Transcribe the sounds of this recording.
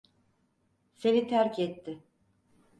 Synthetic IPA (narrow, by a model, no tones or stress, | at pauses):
seɾit̪ʰæɾcʰɛt̪ʰːɪ